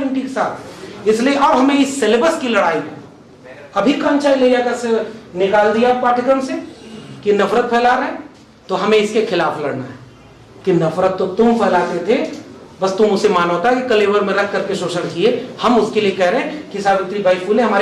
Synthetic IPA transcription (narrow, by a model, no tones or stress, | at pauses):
ɪɳʈikesaːt̪ʰɪslieʔɔːɾɦɐmẽɪsːelebəskilɐɽaːi | ɐbʱikənt͡ʃaːilɐijakasenɪkaːld̪ijapaːʈɪkəmsekinɐfʰɾət̪̚pʰɛːlaɾəɦẽ | t̪oɦɐmẽɪskekʰɪlaːflɐɽna̰ɦɛ | kinɐfɾət̪ːot̪ʊmpʰɛːlat̪et̪ʰebɐst̪ʊmʊsemaːnɦot̪aɦɛkikɐleːʋəɾmẽɾɐkʰkɐɾkeʃoːʃənkiehɐmʊskeliekɛɦɾeɦẽkisaːbɪt̪ɾibʱaipulnẽɦɐmaːɾ